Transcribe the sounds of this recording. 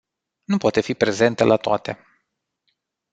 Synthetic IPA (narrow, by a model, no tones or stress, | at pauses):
nupoat̪e̞fipɾe̞ze̞nt̪əlʔat̪oat̪e̞